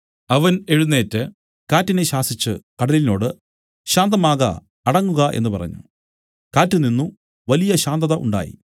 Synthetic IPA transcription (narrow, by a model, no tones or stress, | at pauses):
ɐʋɐne̞ɻunːe̞ːtːɨ | kaːtːineɕaːsit͡ɕːɨkɐɽɐlino̞ːɽɨ | ɕaːnd̪ɐmaːɣɐ̰ː | ɽɐŋːuɣɐʔe̞̰nːɨpɐrɐ̰ɲːṵ | kaːtːɨninːu | ʋɐlijɐɕaːnd̪ɐðɐʔṵɳɖa̰ːjḭ